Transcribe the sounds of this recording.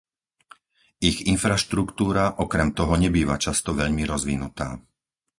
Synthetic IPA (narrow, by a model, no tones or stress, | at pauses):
iɣinfɾaʃt̪ɾukt̪uːɾaʔɔkɾɛmt̪ɔɦɔɲɛbiːʋat͡ʃast̪ɔʋɛʎmiɾɔzʋinut̪a̰ː